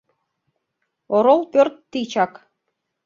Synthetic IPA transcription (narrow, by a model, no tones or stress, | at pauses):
oɾolˠpʲørt̪ːit͡ɕɑk